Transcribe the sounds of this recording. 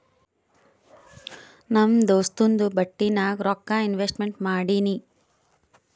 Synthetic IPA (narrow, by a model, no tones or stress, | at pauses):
nɐmd̪oːst̪und̪ubɐʈːinaːɡɾɔkːaːinʋesʈmeɳʈmaːɽini